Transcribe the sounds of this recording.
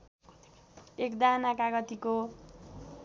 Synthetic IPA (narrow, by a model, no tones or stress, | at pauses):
ekd̪anakaɡʌt̪iko